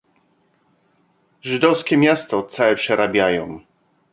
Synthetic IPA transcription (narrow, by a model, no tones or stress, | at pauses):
ʐɘd̪ɔfskʲɛmʲjast̪ɔt̪sawɛpʂɛɾabʲjajɔ̃w̃